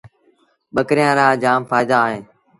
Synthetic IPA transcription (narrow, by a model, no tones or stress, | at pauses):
ɓəkɾɪjãːɾaːd͡ʒaːmfaːɪd̪aːɦẽː